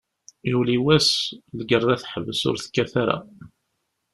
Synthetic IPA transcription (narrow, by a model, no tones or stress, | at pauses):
juwliwæslɡərˤːaθħəvəsʊ̰ɾθkːæθæɾa̰